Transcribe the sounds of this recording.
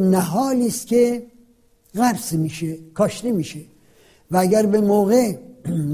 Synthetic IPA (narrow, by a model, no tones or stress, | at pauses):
næɦɒːliːst̪kʲʰe | ɣæɾsmiːʃekʰɒːʃt̪imiːʃe | vææɡæɾbemoːɣe